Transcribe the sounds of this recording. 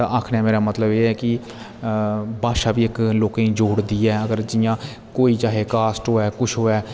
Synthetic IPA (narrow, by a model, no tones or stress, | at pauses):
t̪ã̰ːʔaːkʰnɛːmeːɾaːmət̪ləbeːɛːkɪ | baːʃaːʋiːɪkloːkãĩːd͡ʒoːɽd̪iːɛːəɡəɾd͡ʒɪjãː | koːiːt͡ʃaːɦeːkaːsʈɦoːɛːkʊʃʰɦoːɛː